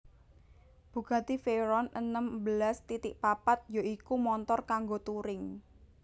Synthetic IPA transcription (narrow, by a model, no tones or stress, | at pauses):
b̥ṳɡ̥ä̤t̪ifeɾɔnə̰nəmbəlast̪it̪ɪʔpapat̪̚joikumɔnt̪ɔrkaŋɡot̪uɾɪŋ